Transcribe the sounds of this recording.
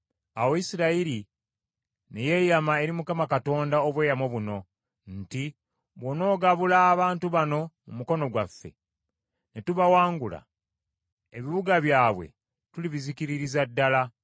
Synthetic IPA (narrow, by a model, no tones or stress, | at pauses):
awoisiɾaiɾi | neje̞jamae̞ɾimukamakato̞ːndaoβwe̞ːjamwoβuno̞ | nti | βwono̞ːɡaβulaːβaːntuβano̞mumuko̞no̞ɡwafːe̞̰ | netuβawaːŋɡula̰ | eβiβuɡaβjaːβwe̞̰ | tuliβizikiɾiɾizadːala